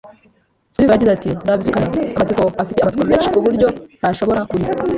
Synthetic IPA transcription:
zuɾiβajaɟizatinabikanaamatikoafiteamatkiameːnʃikuβuɾɟo̞naʃo̞βo̞ɾakuɾi

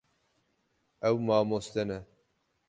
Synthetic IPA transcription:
ɛwmaːmost̪ɛnɛ

